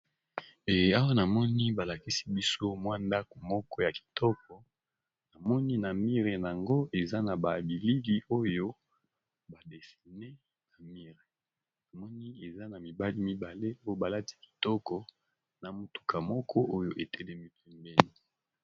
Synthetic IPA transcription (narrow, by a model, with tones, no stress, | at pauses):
e˨a˦wa˦na˨mɔ˦ni˦ba˨la˨ki˦si̥˦bi˦so˦mwa˦nda˦ko˨mɔ˦kɔ˦ja˨ki̥˨tʰɔ˦k̚ɔ˨ | na˨mɔ˦ni˦na˨mi˦ʁe˨n˨a˨ŋɡo˦e˨za˦na˨ba˨bi˨li˦ɡi˦o˦jo˦ | ba˨de˨si˨ne˦ | na˨mi˦ʁe˨ | na˨mɔ˦ni˦e˨za˦na˨mi˨ba˦li˦mi˦ba˨le˦o˦jo˦ba˨la˦ti̥˦ki̥˨tɔ˦kɔ˦ | na˨mo˨tu̥˨kʰa˨mɔ˦kʰɔ˦ʔo˦jo˨ʔe˨tʰɛ˦lɛ˦mi˦pɛ˦mbɛ˦ni˨